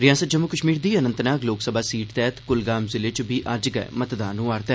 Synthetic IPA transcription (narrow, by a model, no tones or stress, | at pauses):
ɾɪjaːsət̪̚d͡ʒəmːʊkəʃmiːɾd̪iːənənt̪naːkloːksəbʱaːsiːʈt̪ɛːt̪kʊlɡaːmzɪleːt͡ʃbʱiːʔɐd͡ʒɡə̰ɛ̰mət̪d̪aːnũːaːɾt̪ɛ